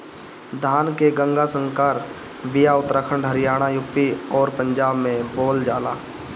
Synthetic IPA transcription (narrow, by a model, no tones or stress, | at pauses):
d̪ʱaːnkeɡə̃ŋɡasə̃ŋkaɾ | bɪjaʊt̪ɾaːkʰəɳɖʱəɾɪjaːɽ̃ajʊpːiɔːɾpə̃ɲd͡ʒaːbmẽboːld͡ʒaːlaː